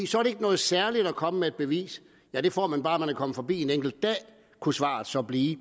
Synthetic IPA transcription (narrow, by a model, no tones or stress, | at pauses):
iːsɒæɐɾe̝eɡ̥ənɔ̽ːð̩ˠsæɐlid̥ɒkʰɒ̽məmeed̥̚b̥e̝ʋḭːs | jæd̥e̝fɒ̰ːmænb̥ɑ̈ːmænækʰɒ̽məfɒ̽bḭːe̝neŋɡ̥l̩d̥̚d̥ɛ̰ː | kʰusʋɑ̈ːðsɒ̽b̥liː